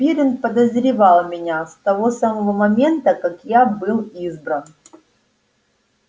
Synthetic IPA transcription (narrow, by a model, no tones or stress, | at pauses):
pʲiɾʲɪnpəd̪əzɾʲɪvɑlˠmʲɪnʲast̪ɐvosaməvəmɐmʲe̞nt̪əkakjabɨlˠizbɾən